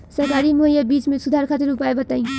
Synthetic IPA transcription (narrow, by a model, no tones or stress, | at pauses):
sɐɾkaːɾimoɦjabiːt͡ʃmẽsʊd̪ʱaːɾkʰɐt̪ɪɾʊpaːebɐt̪aːĩː